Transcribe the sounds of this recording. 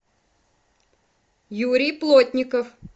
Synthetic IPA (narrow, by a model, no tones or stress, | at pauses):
juɾʲijplˠotʲnʲɪkəf